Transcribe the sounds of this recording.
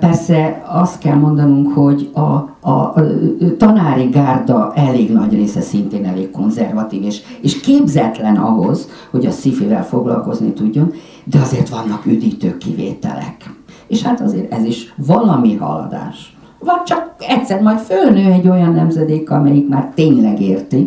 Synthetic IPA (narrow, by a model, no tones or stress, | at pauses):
pɛrsɛɒst̪kɛlmo̞nd̪ɒnuŋkho̞ɟɒː | t̪ɒnaːɾiɡaːrd̪ɒʔɛleːɡnɒɟreːsɛsint̪eːnɛleːkkːo̞nzɛrvɒt̪iːveːʃeːʃkeːbzɛt̪lɛnɒ̰ɦo̞z̥ | ho̞ɟɒsifivɛ̰lfoɡlɒ̰lko̞znḭt̪uɟːo̞n | d̪ɛɒzeːrt̪ʋɒnːɒkyd̪iːt̪øːkːḭvḛːt̪ɛ̰lɛ̰keːʃhat̪ɒzḛːɾɛziʃvɒlɒmiɦɒ̰lɒ̰d̪a̰ːʃ | vɒɟ̚t͡ʃɒkɛc̪ʲsɛrmɒjt̪følnøːɛɟːo̞jɒnːɛmzɛd̪eːkɒmɛjikmaːrt̪eːɲlɛɡeːrt̪i